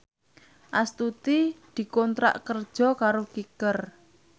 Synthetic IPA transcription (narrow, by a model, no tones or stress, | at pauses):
ʔast̪ut̪id̪̥i̤kɔnt̪ɾa̰ʔkərd̥ʒ̥ɔ̤kaɾokikər